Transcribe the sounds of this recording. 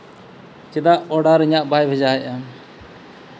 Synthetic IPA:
t͡ʃɛd̪aʔɔɽaɾɛɲaʔbajbʱɛd͡ʒaja

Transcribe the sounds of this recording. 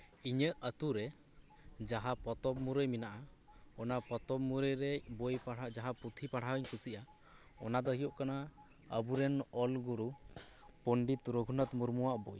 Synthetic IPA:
iɲəʔət̪uɾɛ | d͡ʒaɦapɔt̪ɔbmuɾəjminaʔaɔnapɔt̪ɔbmuɾəjɾɛbojpaɽad͡ʒaɦaput̪ʰipaɽ̤ʰawəɲkʰusiʔa | ɔ̰nad̪əɦijɔʔkana | əbuɾɛnɔlɡuɾu | pɔɳɖit̪ɾoɡʱunət̪muɾmuwaʔboj

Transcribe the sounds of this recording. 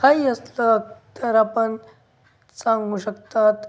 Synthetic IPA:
kaiəsləəkt̪əɾapəɳ | sãŋɡuːɕəkt̪at̪

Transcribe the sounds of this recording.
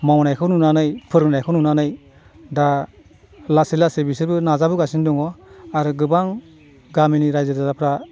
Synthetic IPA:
mawnajkʰɯwnunanɯjpʰɯɾnajkʰɔnunanɯj | da | lasilasebisɯɾbɯnazabɯɡasinduŋɔaɾɯɡɯbaŋ | ɡaminiɾajzɯɾdadapʰɾa

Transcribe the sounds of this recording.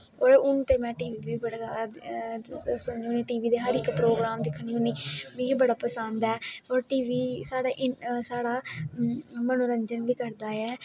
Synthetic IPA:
oːɾʊnt̪eːmɛ̃ːʈiːʋiːʋiːbəɽaːzjaːd̪aː | sʊniːʊniːʈiːʋiːd̪eːɦəɾɪkpɾoːɡɾaːmd̪ɪkʰɽ̃iːʊniːʋiːbəɽaːpəsənd̪ɛːoːɾʈiːʋiːsaːɽaːʔɪsaːɽaː | mənoːɾəɲd͡ʒənʋiːkəɾd̪aːjɛː

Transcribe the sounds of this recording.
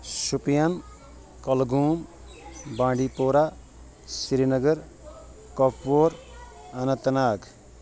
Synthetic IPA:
supijan | kʌlɡuːm | bãːɖipoːɾa | siɾinʌɡʌɾ | kɔpːoɾ | ɐnʌt̪ɐnaːɡ

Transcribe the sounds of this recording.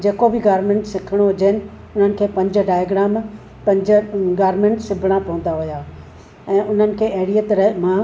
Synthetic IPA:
d͡ʑeːkobɪɡaːɾmẽːɳʈsɪkʰɪɽ̃oɦʊd͡ʑeɦɪnɪ̆ | ʊn̤ənɪ̆kʰeːpɐ̃ɲd͡ʑ̆ɖaːjaɡɾaːm | pɐ̃ɲd͡ʑɡaːɾmẽːɳʈsɪbʱɪɽ̃apɐə̃n̆d̪aɦʊjaː | ɛ̃ːʔʊn̤ənɪ̆kʰeːeːɽijət̪ɾɐɦmã

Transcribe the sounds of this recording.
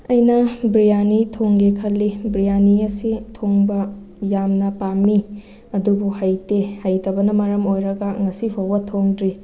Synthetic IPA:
ɐjnɐbɾijanitʰoŋɡekʰɐlːibɾijaniɐsitʰoŋbɐ | jamnɐpami | ɐdubuhajtehajtɐbɐnɐmɐɾɐmojɾɐɡɐŋɐsipʰowbɐtʰoŋdɾi

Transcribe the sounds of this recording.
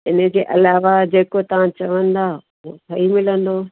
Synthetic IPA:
ɪnə̆d͡ʑeːʔɐlaːʋad͡ʑeːkot̪ɐʋ̤ãt͡ɕɐʋə̃nd̪aː | ot̪ʰɐimɪlə̃nd̪oː

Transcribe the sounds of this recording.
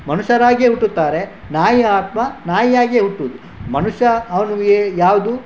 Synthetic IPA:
mɐnuʃɐɾaːɡeɦuʈːut̪ːaːɾe̞ | naːjiaːt̪mɐnaːjijaːɡieɦuʈːuʋd̪u | mɐnuʃɐːʋɐnuɡejaːʋd̪u

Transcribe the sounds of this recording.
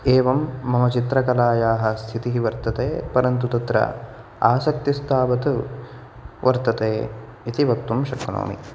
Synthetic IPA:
eːʋɐmːɐmɐt͡ʃit̪ɾɐkɐlaːjaːɦɐ̆st̪ʰit̪iɦiʋɐɾt̪ɐt̪ḛːpɐɾɐnt̪ut̪ɐt̪ɾɐ̰ | aːsɐk̚t̪ist̪ʰaːʋɐt̪ | ʋɐɾt̪ɐt̪eː | it̪iʋɐk̚t̪ːumʃɐkːɐno̰ːmḭ

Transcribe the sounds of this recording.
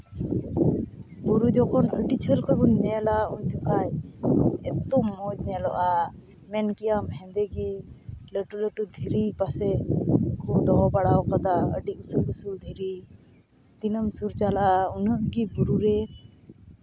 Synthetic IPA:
buɾud͡ʒɔkɔnəɖit͡ʃʰəɾkɔbɔɲːɛlauɲt̪ukaj | ɛt̪ɔmːɔd͡ʒnɛlɔʔa | mɛnkijamɦɛ̃nd̪ɛɡiləʈuləʈud̪ʱiɾipasɛkʰud̪ɔɔbaɽawkad̪aə̰ɖiusubusuɾd̪ʱiɾi | d̪̥inəmsuɾt͡ʃalaʔaunəʔɡibuɾuɾɛ

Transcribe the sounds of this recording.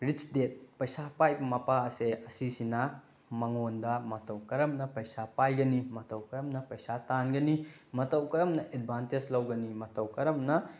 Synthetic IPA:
ɾit͡ʃdet̚pɐjsapajmɐpaɐseɐsisinɐ | mɐŋondɐmɐtɐwkɐɾɐmnɐpɐjsapajɡɐnimɐtɐwkɐɾɐmnɐpɐjsatanɡɐnimɐtɐwkɐɾɐmnɐʔed̚bʱanted͡ʒlɐwɡɐnimɐtɐwkɐɾɐmnɐ

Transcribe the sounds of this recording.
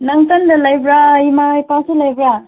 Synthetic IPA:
naŋtandalajbɾaimajpaselajbɾa

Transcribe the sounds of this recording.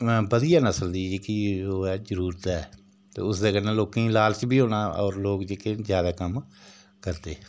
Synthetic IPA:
bəd̪ijaːnəsəld̪iːd͡ʒeːkioːɛːzəɾuːɾt̪ɛː | t̪ḛːʊsd̪eːkənẽːloːkĩːlaːlt͡ʃbʱiːɦoːnaːɔːɾloːkd͡ʒeːkezjaːd̪aːkəm | kəɾt̪eː

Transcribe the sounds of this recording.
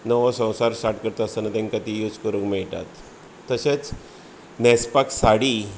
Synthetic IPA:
nəʋasə̃w̃saɾsʈaɾʈkəɾt̪əəsənat̪ẽŋkat̪ijud͡zkəɾukmɛɭt̪a̰t̪ː | əɕet͡s | nɛspaksaɽi

